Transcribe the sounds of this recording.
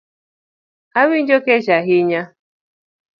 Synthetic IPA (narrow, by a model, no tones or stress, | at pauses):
awin̩d͡ʒoket͡ʃaɦɪɲa